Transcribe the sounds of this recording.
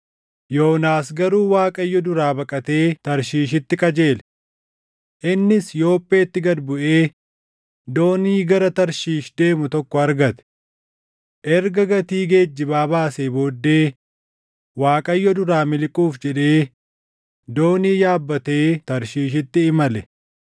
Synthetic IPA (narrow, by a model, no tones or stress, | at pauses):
jo̞ːnaːsɡɐɾuːwaːkʼɐjːɔd̪ʊɾaːbɐkʼɐt̪e̞ːt̪ɐɾʃiːʃɪt̪ːɪkʼɐd͡ʒe̞ːlɛ | ʔɪnːɪsjo̞ːpʼːe̞ːt̪ːɪɡɐd̪bʊʔe̞ː | d̪o̞ːniːɡɐɾɐt̪ɐɾʃiːʃd̪e̞ːmʊt̪ɔkːɔɐɾɡɐt̪ɛ̥ | ʔɛɾɡɐɡɐt̪iːɡe̞ːd͡ʒːɪbaːbaːseːbo̞ːd̪ːe̞ː | waːkʼɐjːɔd̪ʊɾaːmɪlkʼuːfd͡ʒɛᶑe̞ː | d̪o̞ːniːjaːbːɐt̪e̞ːt̪ɐɾʃiːʃɪt̪ːɪːmɐlɛ